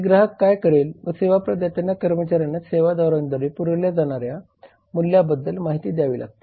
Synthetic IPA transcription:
ɡɾaɦəkːajkəɾelʋəseʋapɾəd̪jat̪anjakəɾmət͡ɕaɾjanaseʋad̪ɔɾand̪ʱəɾepuɾəljad͡zaɽ̃aɾja | muljabəd̪ːəlmaɦit̪iːd̪jaʋḭːla̰ɡ̚t̪e̥

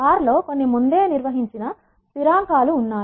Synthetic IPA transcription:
aːɾlo̞ːko̞nːimund̪e̞ːniɾʋɐɦiɲt͡ʃinɐ | piɾaːŋkaːluːnːaː

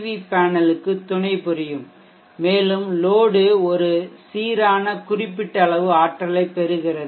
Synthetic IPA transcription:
ʋipaːnɐlɯkːɯt̪ːʊɳɐɪpʊɾɪjɯmː | eːlɯmloːɽɯɔɾɯsiːɾaːnɐkʊrɪpːɪʈːɐɭɐʋɯaːʈrɐlɐɪpːɛɾɯɣɪrɐð

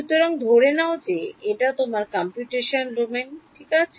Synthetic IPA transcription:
ut̪ːoɾɔŋd̪ʱoɾenaod͡ʑeeʈat̪omaɾkampjuʈeʃonɾumeŋʈʰikat͡ɕʰ

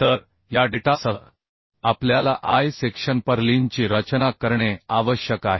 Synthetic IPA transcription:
t̪əɾ | jaɖiʈasə | apljalaʔajsekʂənpəɾliɲt͡ɕiːɾət͡ɕnakəɾɳeaʋəɕjəkaɦe

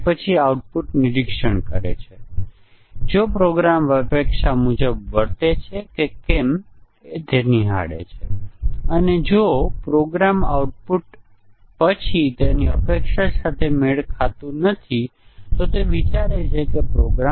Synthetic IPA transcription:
pət͡ʃʰiauʈ̚puʈnɪɾikʃəɳkə̰ɾḛt͡ʃʰe | d͡ʒopɾoɡɾamʋəpekʃamud͡ʒəbʋəɾt̪et͡ʃʰekekem | et̪eniɦa̰ɽḛt͡ʃʰeəned͡ʒopɾoɡɾama̰uʈ̚puʈ | pət͡ʃʰit̪aniə̰pekʃasat̪ʰemeɭkʰat̪ũnət̪ʰit̪ot̪eʋit͡ʃaɾet͡ʃʰekepɾoɡɾa

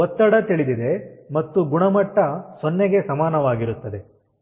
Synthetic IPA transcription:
ɔt̪ːɐɽɐt̪iɭid̪id̪e̞mɐt̪ːuɡuɳɐmɐʈːɐsonːeɡe̞sɐmaːnɐʋaːɡiɾut̪ːɐd̪e̞

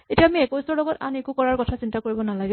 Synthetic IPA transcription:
etiaːmiɛkɔjsɔɹlɔɡɔta̰nekukɔɹaɹkɔtʰasintakoɹibɔnalaɡi

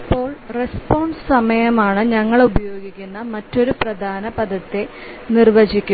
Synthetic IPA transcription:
ipːo̞ːɭre̞spoːɳssɐmɐjɐmaːɳɨɲɐŋːɐɭubɐjo̞ːɡikʲːunːɐmɐtːo̞ɾuprɐd̪ʱaːnɐbɐd̪ʱɐt̪ːe̞ | nirʋɐd͡ʑikʲːu

